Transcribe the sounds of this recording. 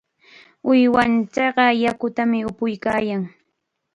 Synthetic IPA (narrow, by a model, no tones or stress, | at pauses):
ʊjwant͡ʃɑɢɑjakʊt̪amɪʊpʊjkaːjaŋ